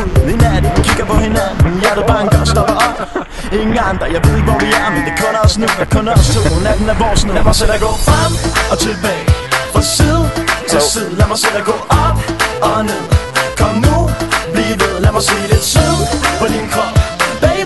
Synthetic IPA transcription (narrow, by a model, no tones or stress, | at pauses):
ʋe̝næd̥n̩kʰiɡ̥ɐpʰɒ̽he̝nænn̩jæɐdəb̥ɑ̈ːŋɡ̥ɒsd̥ɒb̥ɐɒ̽b̥ | e̝ŋn̩ɡ̥ɑ̈ŋŋd̥ɑ̈jɑ̈ɪe̝ðˠeɡ̥ʋɒʋiæɐmend̥e̝kʰɔ̽nɐɒ̽snujɑkʰɔ̽nɐɒst͡sʰo̰næd̥n̩æɐʋɒ̰ːsnlæmɑ̈ɪsed̥æɡ̥ɔ̰ːfʁam̰ɒ̽t͡sʰelb̥ɛ̰ːɪfʁɑ̈siːð̩ˠsɒsiðˠlæmɑɪsed̥æɡ̥ɔ̰ːɒb̥ɒneð̰ˠkʰɒmːub̥lideðˠlæmɑ̈ɪsḛːɾ̥esiðˠpʰɒninkʰɒmb̥ɛ